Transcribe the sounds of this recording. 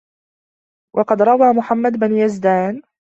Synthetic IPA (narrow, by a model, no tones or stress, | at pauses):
wʔɑqɑd̪ɾˤɑwaːmʊħamːad̪bɪnjazd̪aːn